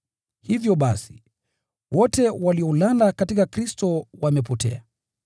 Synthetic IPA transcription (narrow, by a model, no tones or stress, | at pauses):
hivjɔɓasi̥ | wɔtɛwaliɔlalakatikakɾistɔwamɛpɔtɛ̰a